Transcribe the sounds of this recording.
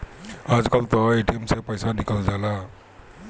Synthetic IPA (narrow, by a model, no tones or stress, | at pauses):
ad͡ʒkalt̪ɔeʈiemsepɔjsanikald͡ʒala